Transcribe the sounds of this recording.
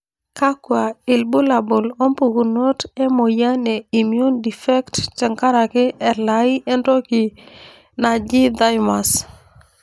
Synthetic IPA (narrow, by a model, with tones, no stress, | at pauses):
ka˦kwa˨i˨lbu˦la˨bo˨lo˦mpu˨ɡu˨no˦te˦mo˨ja˦ne˨i˨mju˦ndi˨fɛ˦ktt͡ʃɛ˨ŋka˦ɾa˨kɪ˦ʔɛ˨la˨ie˦ndo˦ki˨ | na˨d͡ʒi˦d̪a˦jma˨s